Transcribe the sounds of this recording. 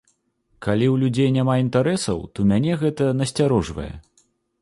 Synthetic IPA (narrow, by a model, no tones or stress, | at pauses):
kalʲiwlʲud͡zʲejnʲamaint̪aɾɛsɐ̰wt̪ɔmʲanʲɛɣɛt̪ɐnɐsʲt͡sʲaɾɔʐvɐ̰jɛ̰